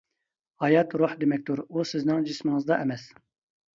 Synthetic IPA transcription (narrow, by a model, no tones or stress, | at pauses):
hɑjɑt̪ɾuħd̪emɛk̚ʲt̪ʰuɾusɪznɪŋd͡ʒismɨŋɨzd̪ɑʔɛmɛs